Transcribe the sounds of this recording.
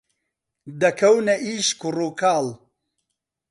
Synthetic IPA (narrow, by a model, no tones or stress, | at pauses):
d̪ɐkʰɐwnɐʔiːʃkuruːkʰaːl